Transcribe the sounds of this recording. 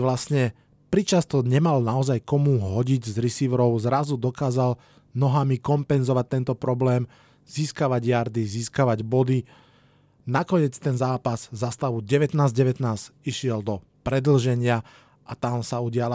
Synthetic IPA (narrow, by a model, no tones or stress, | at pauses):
ʋlasɲɛ | pɾit͡ʃast̪ɔɲɛmalnaɔzajkɔmuɦɔɟiɟzɾisiʋɾɔʊzɾazud̪ɔkaːzal | nɔɦamikɔmpɛnzɔʋac̚t̪ɛnt̪ɔpɾɔblɛːm | z̥iːskaʋaɟjaɾd̪iziːskaʋaɟbɔd̪i | nakɔɲɪɛt͡st̪ɛnzaːpaz̥zast̪aʋuɟɛʋɛt̪naːzɟɛʋɛt̪naːsiʃɪɛld̪ɔ | pɾɛd̪l̩ʒɛɲɪa | ʔat̪amsauɟɪala